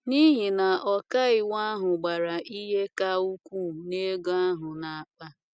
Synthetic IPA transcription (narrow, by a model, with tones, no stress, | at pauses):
ni˦ɦi˨na˨ʔɔ˨ka˦ɪ˨wa˦ɦʊ˨ɡ͡ba˨ɾa˨ʔi˦ɦe˦ka˦u˦kʷu˦˨ne˦ɡo˦a˦ɦʊ˨na˨a˨k͡pa˦